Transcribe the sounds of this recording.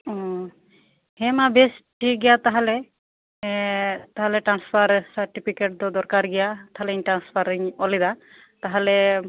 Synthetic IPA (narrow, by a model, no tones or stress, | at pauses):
ɔ̃ | hɛmabesʈiɡɛjat̪aɦalɛ | t̪aɦalɛʈɾanspʰaɾsaɾʈipʰikeʈ̚d̪ɔd̪ɔɾkaɾɡɛjat̪aɦalɛiɲʈɾanspʰaɾiɲɔlɛd̪a | t̪aɦalɛ